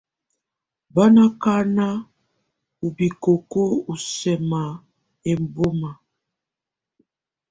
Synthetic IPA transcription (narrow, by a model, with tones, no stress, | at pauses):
ba˦na˦ka˦na˦ | u˨bi˨ko˨ko˦u˨sɛ˨ma˨ | e˨m˨bo˦ma˨